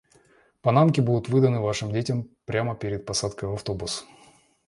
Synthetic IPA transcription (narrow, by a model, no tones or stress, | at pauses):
pɐnamkʲɪbud̪ʊt̪vɨd̪ənɨvaʂɨmdʲetʲɪmpɾʲaməpʲɪɾʲɪt̪̚pɐsat̪kəjvɐft̪o̞bʊs